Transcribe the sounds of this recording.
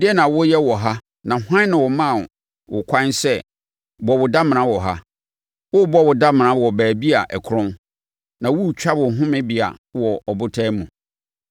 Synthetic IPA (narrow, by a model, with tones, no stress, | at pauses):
dɪ˦ɛ˦nã˨wʊ˦jɛ˦wɔ˨ɦa˦ | nã˨hã˦nɪ̃˨wɔ˨mã˦˨ | wʔʊ˨kʷʰã˦nsɛ˦ | bɔ˨wʊ˨da˦m̃˨ñã˦wɔ˨ɦa˦ | wʊ˦bɔ˦wʊ˨da˦m̃˨ã˦wɔ˨bæː˨bi˦a˨ʔɛ˨kʰʊ˦ɾʊ̃˦m | nã˨wu˦˨t͡ɕᶣa˦bʊ̃˨ɦʊ̃˦mɪ̃˦bi˨a̰˨wɔ˨ɔ˨bʊ˦tʰɛː˦mũ˨